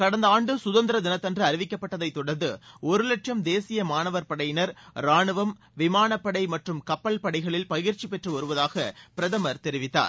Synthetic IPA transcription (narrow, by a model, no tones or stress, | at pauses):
kɐɽɐnd̪ɐaːɳɖɯsʊðɐnd̪ɪɾɐd̪ɪnɐt̪ːɐndrɯɐɾɪʋɪkːɐpːɐʈːɐðɐɪt̪ːɔɽɐnd̪ɯɔɾɯlɐʈt͡ʃɐmd̪eːsɪjɐmaːnɐʋɐɾpɐɽɐjɪnɐɾɾaːɳɯʋɐm | ʋɪmaːnɐpːɐɽɐɪmɐʈrɯmkɐpːɐlpɐɽɐɪɣɐɭɪlpɐjɪɾt͡ʃipɛʈrɯʋɐɾɯʋɐðaːɣɐpɪɾɐðɐmɐɾt̪ɛɾɪʋɪt̪ːa̰ːɾ